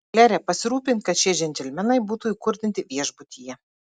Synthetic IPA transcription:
lʲæɾʲɛpɐsʲɪɾuːpʲɪnʲt̪̚kɐt̪ʃʲɛɛʒʲɛnʲt̪ʲɛlʲmʲɛnɐɪbuːt̪uːiːkʊɾʲd̪ʲɪnʲt̪ʲɪʋʲiɛʒbʊt̪ʲijɛ

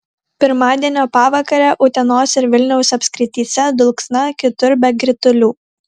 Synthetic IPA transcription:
pʲɪɾmɑːd̪ʲiɛnʲoːpɑːʋɐkɐɾʲɛːʔʊt̪ʲɛnoːsʲɪɾʋʲɪlʲnʲɛʊsɐpʲsʲkɾʲɪt̪ʲiːsʲɛd̪ʊlˠksnɐkʲɪt̪ʊɾbʲɛɡʲɾʲɪt̪ʊlʲuː

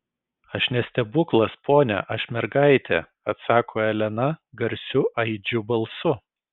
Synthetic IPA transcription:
ɐʃnʲɛsʲt̪ʲɛbʊklˠɐspʰoːnʲɛ̰ʔɐʃʲmʲɛɾɡɐɪt̪ʲɛ̰ | ɐt̪sɑːkʰoːɛlʲɛnɐɡɐɾʲsʲʊʔɐɪd͡ʒʲʊbɐlˠsʊ

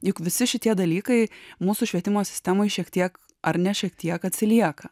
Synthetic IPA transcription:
jʊkʋʲɪsʲɪʃʲɪt̪ʲiɛd̪ɐlʲiːkɐɪmuːsʊʃʲʋʲiɛt̪ʲɪmoːsʲɪ̥sʲt̪ʲæmoɪʃʲiɛkt̪ʲiɛk | ɐɾnʲɛʃʲiɛkt̪ʲiɛkɐt̪ʲsʲɪlʲiɛkɐ

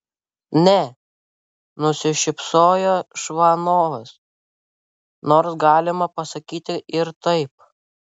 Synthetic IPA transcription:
nʲɛ | nʊsʲɪʃʲɪpsoːjoːʃʋɐnoːʋs | noːɾsɡɑːlʲɪmɐpɐsɐkʲiːt̪ʲɪʔɪɾt̪ɐɪp̚

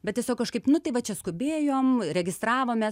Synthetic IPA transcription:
bʲɛt̪̚tʲiɛsʲoːkːɐʃkɐɪpnʊt̪ɐɪʋɐt͡ʃʲɛskʊbʲeːjoːmɾʲɛɡʲɪst̪ɾɑːʋoːmʲeː

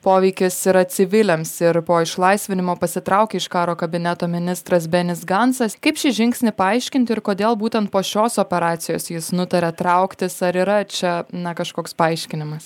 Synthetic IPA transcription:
poːʋʲɛɪkʲɪsɪɾɐsʲɪʋʲɪlʲɛmsɪɾpoːɪʃlˠɐɪsʲʋʲɪnʲɪmoːpɐsʲɪt̪ɾɐʊkʲeɪʃkɑːɾoːkɐbʲɪnʲɛt̪oːmʲɪnʲɪst̪ɾɐsbʲɛnʲɪsɡɐnsɐskɐɪpʃʲɪʒʲɪŋʲksʲnʲɪpɐɐɪʃʲkʲɪnʲt̪ʲɪɪɾkoːd̪ʲeːlˠbuːt̪ʲɛnt̪̚poːʃʲoːsoːpʲɛɾɑːt̪sʲɪjoːsjɪsnʊt̪ɐɾʲɛt̪ɾɐʊkt̪ʲɪsɐɾiːɾɐt͡ʃʲɛnɐkɐʃkoːkspɐɐɪʃʲkʲɪnʲɪmɐs

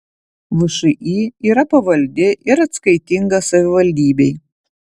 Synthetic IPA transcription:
ʋʊʃʊʔiːiːɾɐpɐʋɐlʲd̪ʲɪʔɪɾɐt̪skɐɪt̪ʲɪŋɡɐsɐʋʲɪʋɐlʲd̪ʲiːbʲɛɪ

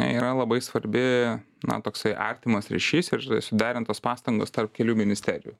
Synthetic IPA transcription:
ɐ̰iːɾɐlˠɐbɐɪsʋɐɾʲbʲɪnɐ̰t̪oːksɐɪʔɐ̰ɾʲt̪ʲɪmɐsɾʲɛ̰ʃʲiːsɪɾɐɪsʊd̪ʲæːɾʲɪnt̪oːspɑːst̪ɐŋɡo̰ːst̪ɐrp̚kʲɛlʲuːmʲɪnʲɪsʲt̪ʲæːɾʲɪjṵː

